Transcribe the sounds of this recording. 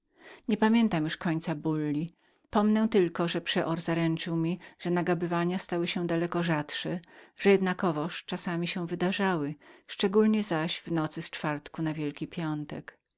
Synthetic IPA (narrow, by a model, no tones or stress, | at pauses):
ɲɛpamʲjɛnt̪amjuʂkɔɲt̪sabulːi | pɔmnɛw̃t̪ɘlkɔʐɛpʂɛʔɔɾzaɾɛnt͡ʂɘwmʲiʐ̥ɛnaɡabɘvaɲast̪awɘɕɛ̃d̪alɛkɔʐat̪ʂɛʐ̥ɛjɛd̪nakɔvɔʂt͡ʂasamʲiɕɛw̃vɘd̪aʐawɘʂt͡ʂɛɡulɲɛzaɕvnɔt̪sɘst͡ʂfaɾt̪kunavʲjɛlkʲipʲjɔnt̪ɛk